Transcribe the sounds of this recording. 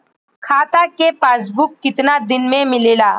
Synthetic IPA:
kʰat̪akepasbukːit̪nad̪inmemilela

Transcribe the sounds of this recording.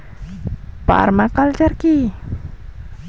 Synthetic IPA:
pa̰ʔa̰rmakalt͡ʃarki

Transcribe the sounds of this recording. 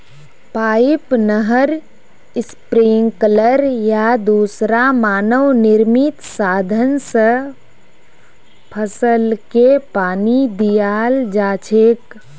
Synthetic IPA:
paːɪpnəɦəɾ | ɪspɾiŋɡkələɾjad̪uːsɾamaːnəwnɪɾmɪt̪saːd̪ʱənsə | pʰəsəlkepaːnid̪ijaːld͡ʒaːt͡ʃʰeːk

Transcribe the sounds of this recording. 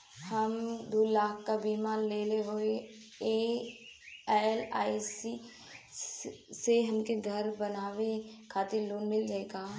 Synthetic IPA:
həmd̪uːlaːkkabiːmaːnleːleɦoːe | eː | laːisi | seɦɐmkeɡʱəɾbənaːʋekʰaːt̪ɪɾloːnmɪld͡ʒaːeːɡaː

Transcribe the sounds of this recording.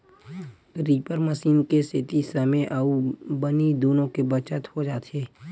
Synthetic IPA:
ɾiːpəɾməsiːnkeset̪isəmeʔaubənid̪oːnõkebət͡ʃət̪hod͡ʒaːt̪ʰeː

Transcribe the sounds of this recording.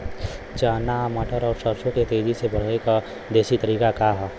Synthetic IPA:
t͡ʃaːnaməʈʰəɾɔːɾsəɾʃõket̪eːd͡ʒisebəɽ̤eka | d̪eːʃit̪əɾiːkakaɦɛ

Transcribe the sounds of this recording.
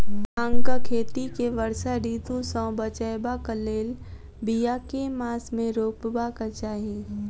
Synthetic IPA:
ãŋkakʰeːt̪ikeʋəɾsaɾiːt̪usɔ̃ːbət͡ʃəjbakəleːl | bijakemaːsmẽɾoːpbakət͡ʃaːɦe

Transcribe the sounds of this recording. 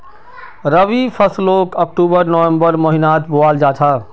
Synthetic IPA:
ɾəʋipʰəsloːkək̚ʈuːbəɾnɔẽmbəɾmoɦinaːt̪bʊaːld͡ʒaːt̪ʰaː

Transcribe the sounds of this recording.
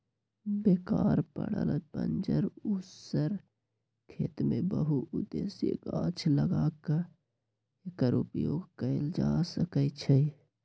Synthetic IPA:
beːkaːɾpə̰ɽə̰ləpə̰nd͡ʒəɾussəɾ | kʰeːt̪mẽbəɦuʊd̪eːsjə̰ɡãːt͡ʃʰləɡakə | ekəɾupjoːɡkəld͡ʒasəkət͡ʃʰɛ

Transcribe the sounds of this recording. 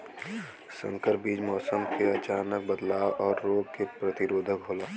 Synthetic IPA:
sə̰̃ŋkəɾbiːd͡ʒmɔːsəmkeɐt͡ʃaːnək̚bəd̪laːʋɔːɾːoːɡ̚kepɾət̪ɪɾoːd̪ʱəkɦoːlaː

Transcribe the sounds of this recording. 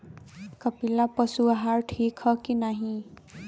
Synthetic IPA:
kʌpilːapʌsuaɦaɾʈʰikʰhʌkinaɦĩ

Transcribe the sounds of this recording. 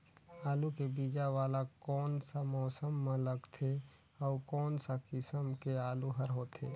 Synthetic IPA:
aːlukebiːd͡ʒaʋaːlakɔːnsamɔːsəmːeləɡt̪ʰe | ɔːkɔːnsakɪsəmkeaːluɦəɾɦoːt̪ʰḛː

